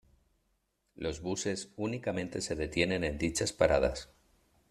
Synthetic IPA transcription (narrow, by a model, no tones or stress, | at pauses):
lʔo̞zβuse̞sunikamẽ̞nt̪e̞se̞ðe̞t̪je̞nẽ̞nẽ̞nd̪it͡ʃaspaɾað̞a̰s